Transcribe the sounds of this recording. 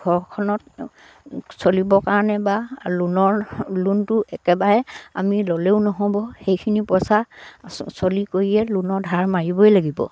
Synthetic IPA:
ɡʱɔɹkʰɔnɔt̚ | solibɔkaɹɔnɛbalunɔɹluntʊʔɛkɛbaɹɛa̰miloleʊnɔɦɔ̃bɔxejkʰinipɔsa | solikoɹiɛlunɔɹdʱaɹmaɹibɔjlaɡibɔ̰

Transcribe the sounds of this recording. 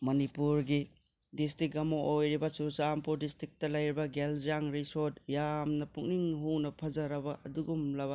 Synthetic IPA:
mɐnipuɾɡi | distɾik̚ɡɐmoʔojɾibɐsuɾsampuɾdistɾik̚tɐlɐjɾibɐɡeld͡ʒaŋɾisodjamnɐpuŋniŋɦunɐpʰɐzɐɾɐbɐɐduɡumlɐbɐ

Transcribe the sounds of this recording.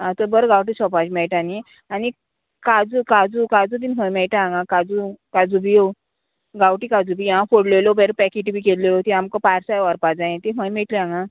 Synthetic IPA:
ãt̪ɔbəɾɡawʈ̬isɔpad͡ʑmɛɭʈani | ani | kad͡zukad͡zukad͡zud̪iːnɦə̃jmɛɭʈaãŋɡãkad͡zukad͡zubio | ɡawʈikad͡zubiãfoɽlelobeɾpɛkiʈibikelːeot̪iamkɔpaɾsajʋaɾpad͡zãjẽt̪iɦə̃jmɛʈliãŋɡa

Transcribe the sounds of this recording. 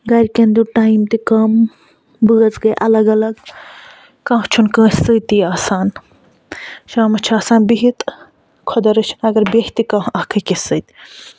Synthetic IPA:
ɡɐɾʲkɐnd̪uʈaːimt̪ikɐːm | bɨɡɐt͡sɡɐjʔɐlɐɡɐlɐɡ | kãːɦt͡ʃʰunkə̃ːsət̪iaːsaːn | ʃaːmɐt͡ʃʰaːsaːnbiɦit̪ | kʰod̪ɐɾɐt͡ʃʰinɐɡɐɾbeht̪ikãːɐːkʰɨkisɨːt̪i

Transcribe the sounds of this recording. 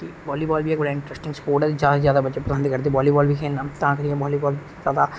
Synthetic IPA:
kiʋɔːliːbɔːlbʱieːkbɐɽaɪ̃ɳʈɾɛsʈɪ̃ŋspoːɾʈəɾzjaːd̪azjaːd̪abɐtːt͡ʃʃepɾəsə̃nd̪ikɐɾd̪iʋɔːliːbɔːlbʱikʰeːlnãːt̪ãːkɐɾiɛ̃bɔːliːbɔːl | zaːd̪a

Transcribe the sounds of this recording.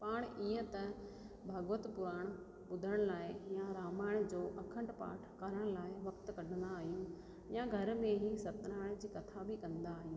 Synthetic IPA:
paːɽ̃iːə̃t̪ɐ | bʱɐɡʋət̪pʊɾaːɽ̃ | bʊd̪ʱəɽ̃laːɪjãɾaːmaːɪɽ̃d͡ʑoːʔɐkʰə̃ɳʈpa̰ːʈʰkaːɾəɽ̃laːɪʋɐkt̪kɐɖʱənd̪aːɦijũ | jãɡʱɐɾmẽɦisɐt̪ɾaːɪɽ̃d͡ʑiːkɐt̪ʰabʱɪkɐ̃nd̪aːɦijũː

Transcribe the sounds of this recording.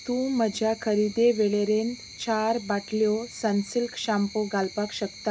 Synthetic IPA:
t̪ũməd͡ʑʱjakʰəɾid̪eʋeɭeɾent̪ | t͡ɕʰaɾbaʈʰljɔsənsilkɕampoɡalpakɕəkt̪a

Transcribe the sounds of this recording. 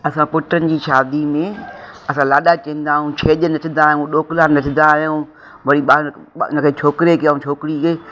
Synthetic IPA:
ɐsãpʊʈɾənɪ̆d͡ʑiːʃaːd̪imẽɐsãːlaːɗaːt͡ɕɐ̃ĩːnd̪aːɦũt͡ɕʰeːʄənɐʈʰɪ̃nd̪aːjũɗoːklaːnɐʈʰɪ̃nd̪aːɦjũː | ʋɐɽiɓaː | nəkʰeːt͡ʃʰoːkɪɾekaːɦũt͡ʃʰoːkɪɾik

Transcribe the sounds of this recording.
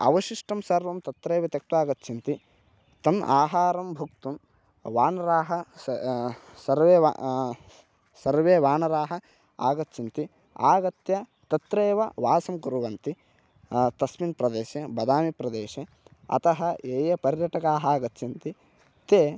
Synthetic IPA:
ɐ̰ʋɐʃiʂʈɐmsɐɾʋɐmt̪ɐt̪ɾeːʋɐt̪ɐk̚t̪ʋaːɡɐt̪ːt͡ʃʰint̪i | t̪ɐnaːɦaːɾɐmbʱɐkt̪um | ʋaːnɐɾaːɦɐ | sɐɾʋeːa̰ | sɐɾʋeːʋaːnɐɾaːɦɐ | a̰ːɡɐt̪ːt͡ʃint̪i | a̰ːɡɐt̪jɐ | t̪ɐt̪ɾeːʋɐʋaːsɐmkuɾuʋɐnt̪i | t̪ɐsminpɾɐd̪eːʃebɐd̪aːmipɾɐd̪eːʃe | ɐ̰t̪ɐɦɐeːjɐpɐɾjɐʈɐkaːɦaːɡɐt̪ːt͡ʃʰint̪i | t̪eː

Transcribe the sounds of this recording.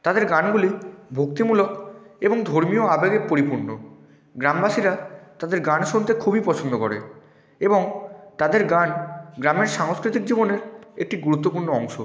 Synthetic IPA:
t̪ad̪eɾɡanɡulibʱok̚t̪imulokeboŋd̪ʱoɾmioabeɡepoɾipuɾno | ɡɾambaʃiɾat̪ad̪eɾɡanʃont̪ekʰubipɔt͡ɕʰond̪okɔɾḛ | eboŋt̪ad̪eɾɡanɡɾameɾʃaŋoskɾit̪ik̚d͡ʑiboneɾek̚ʈiɡuɾut̪ːopuɾɳoɔŋʃo

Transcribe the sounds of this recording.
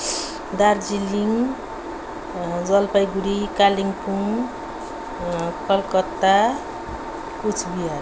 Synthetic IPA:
d̪aɾd͡ʒiliŋ | d͡ʒʌlpajɡuɾikaliŋpuŋ | kʌlkɔt̪ːa | kut͡ʃʰbiaɾ

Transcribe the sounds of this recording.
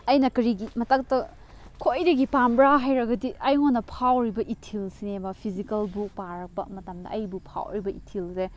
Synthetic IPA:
ɐjnɐkɐɾiɡimɐtak̚tɐ | kʰojdɐɡipambɾaɦajɾɐɡɐdiɐjŋonːɐpʰawɾibɐʔitʰilsinebɐpʰizikɐlbuk̚paɾɐk̚pɐ̰mɐtɐmdɐ̰ʔɐjbupʰa̰wɾibɐitʰilze

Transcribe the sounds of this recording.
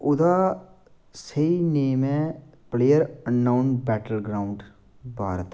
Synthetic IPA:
ʊd̪aː | səineːmɛ̃pleːəɾənːaːʊnbɛːʈəlɡɾaːʊɳɖ | bʱaːɾət̪ː

